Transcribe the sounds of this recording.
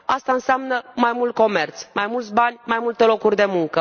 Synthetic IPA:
ast̪aɨnseamnəmajmult̪̚ko̞me̞rt̪smajmult̪sʲbanʲmajmult̪elo̞kurʲd̪e̞muŋkə

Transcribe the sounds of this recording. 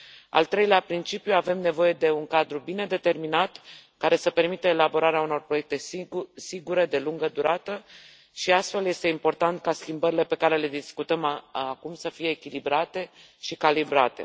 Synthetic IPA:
a̰lt̪ɾe̞jleapɾint͡ʃipjuave̞mne̞vo̞je̞d̪e̞uŋkad̪ɾubine̞d̪e̞t̪e̞rminat̪kaɾe̞səpe̞rmit̪əelabo̞ɾaɾeauno̞rpɾoek̚t̪e̞siɡuɾe̞d̪e̞luŋɡəd̪uɾat̪ə | ʃiast̪fe̞lje̞st̪e̞impo̞rt̪ant̪̚kaskʲimbəɾile̞pe̞kaɾe̞le̞d̪iskut̪əmakumsəfije̞ːkʲilibɾat̪e̞ | ʃikalibɾat̪e̞̰

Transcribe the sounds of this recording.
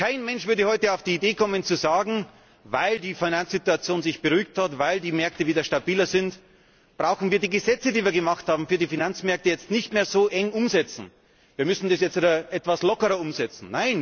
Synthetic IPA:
kʰaɪnmɛnʃv̥ʏɐdəhɔʏtəaʊfd̥iːideːkʰɔmənt͡suzaːɡŋ̩ | vaɪldiːfinant͡sz̥ituat͡sjoːnzɪçb̥əʁyːɪk̚thatvaɪldiːmɛɐk̚təviːdɐʃtabiːlɐzɪnt | b̥ʁaʊxn̩viːɐdiːɡəzɛt͡sədiːviɐɡəmaχthaːbm̩fyːɐdiːfinant͡smɛɐk̚təjɛt͡stnɪçtmeːɐzoːʔɛŋʊmzɛt͡sn̩ | viːɐmʏsn̩desjɛt͡stidɐʔɛtv̥aslɔkəʁɐʊmzɛt͡sn̩naɪn

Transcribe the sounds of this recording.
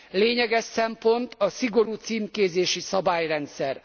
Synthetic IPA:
leːɲɛɡɛʃsɛmpo̞nt̪ɒsiɡo̞ɾuːt̪siːmkeːzeːʃisɒbaːjrɛnt̪sɛr

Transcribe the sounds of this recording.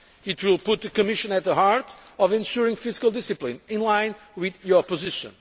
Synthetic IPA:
ɨt̪wilˠpʊt̪̚ðɨkɨmɪʃɨ̃nɨt̪̚ðəhaɹtɔvɛ̃nʃuɹĩŋfɪzikəlˠd̪ɪsɨplĩnɪ̃nlãɪ̃n | wɪðjɔ˞pɨzɪʃə̰̃n

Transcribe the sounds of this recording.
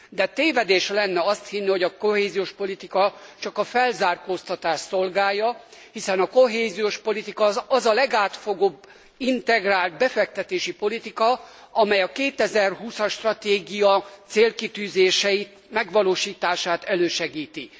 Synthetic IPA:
d̪ɛt̪eːvɛd̪eːʃlɛnːɛɒst̪hinːiho̞ɟɒko̞ɦeːzijoːʃpo̞lit̪ikɒt͡ʃɒkɒfɛlzaːrkoːst̪ɒt̪aːʃso̞lɡaːjːɒhisɛnɒko̞ɦeːzijoːʃpo̞lit̪ikɒɒzɒlɛɡaːt̪fo̞ɡoːb | int̪ɛɡraːlt̪̚bɛfɛk̚t̪ɛt̪eːʃipo̞lit̪ikɒ | ɒmɛjɒkeːt̪ɛzɛrɦuːsɒʃt̪rɒt̪eːɡijɒt̪seːlkit̪yːzeːʃɛit̪mɛɡʋɒloːʃiːt̪aːʃaːt̪ɛløːʃɛɡiːt̪i

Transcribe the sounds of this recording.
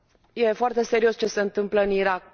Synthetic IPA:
je̞foart̪e̞se̞ɾio̞st͡ʃe̞se̞ɨnt̪ɨmpləɨniɾak̚

